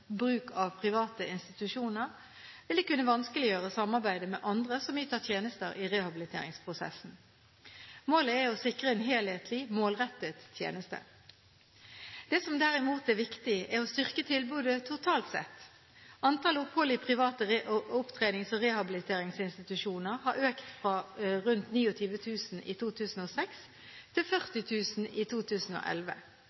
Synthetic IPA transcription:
bʁʉːkʰɑʋpʰʁɪʋɑːt̪əɪnst̪ɪt̪ʉʃuːnəʁ | ʋɪld̪ɛkʉnːəʋɑnskəlɪjøːʁəsɑmːɑʁbæɪd̪əmɛʔɑnd̪ʁəsɔmjit̪ʰɑːt̪ʰjeːnəst̪əɾʔiʁɛhɑbɪlɪt̪ʰḛːɾɪ̰ŋspʰʁʊsɛ̰sn̩ | moːləæɔsɪkʁəɛnɦeːlheːt̪ʰlimoːlʁɛt̪ːət̪ːʰjḛːnəst̪ə̰ | d̪̥ɛːsɔmd̪æːʁɪmuːt̪æʋɪkt̪ɪæʁɔst̪ʏʁkət̪ʰɪlbʉːd̪ət̪ʰʊt̪ʰɑːlt̪sɛ̰t̪ː | ɑnt̪ʰɑlʊphɔlːɪpʰʁɪʋɑːt̪əʊpt̪ʰʁeːnɪŋsɔʁɛhɑbɪlɪt̪ʰeːʁɪŋsɪnst̪ɪt̪ʉʃuːnəʁhɑɾøːkt̪fʁɑʁʉnt̪niːɔt̪ʰyːʋət̪ʰʉːsn̩ḭːt̪ʰuːt̪ʰʉːsn̩oːsɛks | t̪ʰɪlfœʁt̪ɪt̪ʰʉːsn̩iːt̪ʰuːt̪ʰʉːsn̩o̰ːʔɛ̰lʋə̰

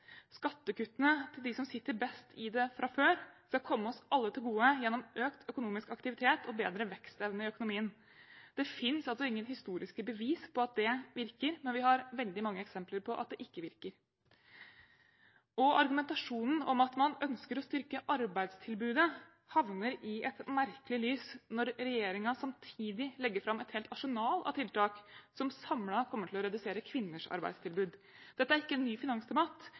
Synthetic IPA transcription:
skɑt̪ːəkʉt̪ːənət̪ʰɪld̪ɪsɔmsɪt̪ːəɾbɛst̪ʰɪd̪ɛfɾʔɑføːɾskɑlkʰɔmːəɔsɑlːət̪ʰɪlɡuːəjɛnːɔmʔøːkt̪ʰœkʊnuːmɪskɑkt̪ɪʋɪt̪ʰeːt̪ʰɔbeːd̪ɾəʋɛkst̪ɛʋnəɪœkʊnʊmiːən | d̪̥ɛfɪnsɑlsɔɪŋːənhɪst̪uːɾʔɪskəbəʋiːspʰɔɑt̪̚d̪ɛʋɪɾkəɾmɛnʋɪhɑɾʋɛld̪ɪmɑŋːəɛksɛmpləɾpʰɔʔɑt̪̚d̪ɛʔɪkːəʋɪɾkəɾ | ʔɔʔɑɾɡʉmɛnt̪ɑʂuːnn̩ɔmɑt̪mɑnœnskəɾɔst̪ʏɾkəʔɑɾbæɪd̪st̪ʰɪlbʉːd̪ə | hɑʋnəɾɪʔɛt̪mæɾkəlɪlyːsnɔɾːɛjeːɾɪŋɑsɑmt̪ʰiːd̪ɪlɛɡːəɾfɾɑmːɛt̪heːlt̪ɑʂʊnɑːlɑ̰t̪ʰɪlt̪ɑːksɔmsɑmlɑkʰɔmːəʈʰɪlɔɾɛd̪ʉseːɾəkʰʋɪnːəʂɑ̰ɾbæ̰ɪd̪st̪ʰɪlbʉːd̪ | d̪̥ɛt̪ːəæɾɪkːəɛnːyːfɪnɑŋst̪ʰɛmɑt̪

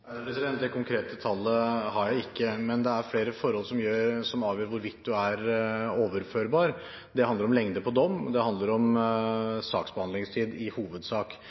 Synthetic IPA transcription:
ɾɛsɪd̪ɛnt̪̚d̪ɛkʰʊŋkʰɾeːt̪ət̪ʰɑlːəhɑɾjæɪɪkːəmɛnd̪ɛæɾfleːɾəfɔɾhɔlsɔmjøːɾsɔmɑːʋjøːɾʋʊɾʋɪt̪ːd̪ʉæɾoːʋəɾføːɾbɑːɾ | d̪ɛhɑnd̪əɾɔmlɛŋd̪əpʰɔd̪ɔmːd̪ɛhɑnd̪ləɾɔm | sɑ̰ːksbəɑnɪŋst̪ʰiːd̪ɪhuːʋəd̪sɑːk

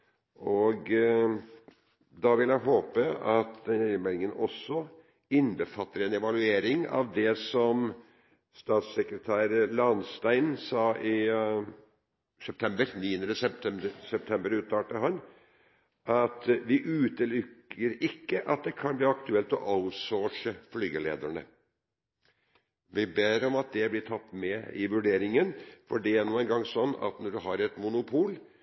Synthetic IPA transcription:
ʔɔɡ | d̪ɑʋɪljæɪɦoːpəɑt̪d̪ɛnɾɪnmɛlɪŋənɔsːɔ | ɪnbəfɑt̪ːəɾɛnɛʋɑlʉeːɾɪŋɑ̰ʋd̪ɛsɔm | st̪ɑːt̪sɛkɾət̪ʰæːɾlɑnst̪æɪnsɑːʔɪ | sɛp̚t̪ʰɛmbəɾniːənəɾəsɛt̪ʰɛsɛp̚t̪ʰɛmbəɾʉːt̪ʰɑːʈəɦɑn | ʔɑt̪ʋɪʔʉːt̪əlʏkːəɾɪkːəʔɑt̪̚d̪ɛkʰɑnbliːɑkt̪ʉɛlt̪ɔ̰ʔɑʊt̪soːʂəflyːɡəlḛːd̪æɳə̰ | ʋɪbeːɾɔmɑt̪̚d̪ɛblɪʈ̪ʰɑt̪ːmɛɪʋʉɖeːɾɪŋənfɔɖɛæɳuːənɡɑŋːsɔnːɑ̰t̪nɔɖʉɦɑɾɛt̪mʊnʊpʰuːl

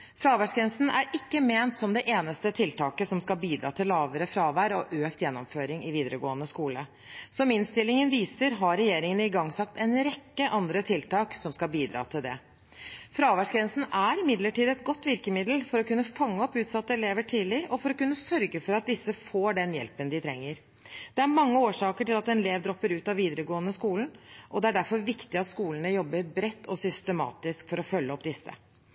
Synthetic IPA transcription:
fɾɑːʋæʂɡɾɛnsn̩æ̰ɾɪkːəmeːnt̪sɔmd̪ɛʔeːnəst̪ət̪ʰɪlt̪ʰɑːkəsɔmskɑlbiːd̪ɾɑ̰ːt̪ʰɪlːɑːʋəɾəfɾɑːʋæːɾɔ̰ʔøːkt̪jɛnːɔmføːɾɪŋɪʋiːd̪əɾəɡoːənəskuːlə | sɔmɪnst̪ɪlɪŋənʋiːsəɾɦɑɾɛjeːɾɪŋənəɪɡɑŋːsɑkt̪ɛnɾɛkːəʔɑnd̪ɾət̪ʰɪlt̪ɑːksɔmskɑlbiːd̪ɾɑ̰ːt̪ʰɪld̪ɛ̰ | fɾɑːʋæʂɡɾɛnsn̩æɾɪmɪd̪ləʈiːd̪ɛt̪ɡɔt̪ːʋɪɾkəmɪd̪l̩fɔɾɔkʉnːəfɑŋːəɔpːʉːt̪sɑt̪ːəɛleːʋəʈʰiːlɪʔɔfɔɾɔkʉnːəsœɾɡəfɔɾɑt̪̚d̪ɪsːəfoːɖɛnjɛ̰lpənd̪ɪt̪ʰɾɛ̰ŋːəɾ | d̪̥ɛæɾmɑŋːəoːʂɑːkəʈɪlɑt̪ɛnleːʋd̪ɾɔpːəɾʉːt̪ɑʋiːd̪əɾəɡoːənəskuːln̩ʔɔd̪ɛæɖæɾfɔɾʋɪkt̪ɪɑt̪skuːlənəjɔbːəɾbɾɛt̪ːɔsʏst̪əmɑ̰ːt̪ɪskfɔɾɔfœlːəɔpːd̪ɪsːə̰

